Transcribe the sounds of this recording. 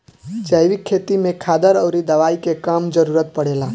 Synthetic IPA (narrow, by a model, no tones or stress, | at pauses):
d͡ʒəjʋikʰːet̪imẽkʰad̪əɾəʊɾid̪əʋaikekamd͡ʒəɾuɾət̪̚pəɽela